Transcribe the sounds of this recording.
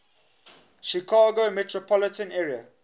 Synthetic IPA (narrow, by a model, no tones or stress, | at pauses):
ʃikʰaːɡomɛtɹopʰɔlɪtə̃nɛɹia̰